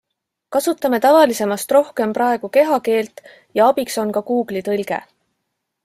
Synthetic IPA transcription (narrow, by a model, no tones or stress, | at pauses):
kɑsut̪ːˑɑme̞t̪ɑvɑlise̞mɑst̪ro̞hke̞mprɑeɡ̥uke̞ɦɑke̞ːlt̪ˑ | jɑɑb̥ikso̞nkɑkuːɡ̥lit̪ɤlɡ̥ḛ